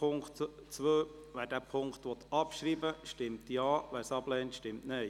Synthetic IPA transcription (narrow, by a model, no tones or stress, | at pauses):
ʊŋktt͡sʋøːʋæːɾdæːpʰʊŋkχtʋɔt̪ɑpʃɾiːbəʃtɪmtjɑːʋæːɾsɑb̥lɛːntʃtɪmtnɛɪ